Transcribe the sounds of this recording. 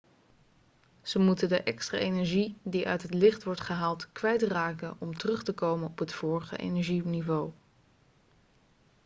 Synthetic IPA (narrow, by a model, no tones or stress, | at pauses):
z̥əmutəndəʔɛkstra̰ːejnɛɹʒidiʔœ̰ɥtɦətlɪχtʋɔɹtχəɦaːlˠtkʋɛjtraːkənɔmtərɵχtəkowmənɔpɦətfʊːɹəχə̰ʔḛjnɛɹʒinivow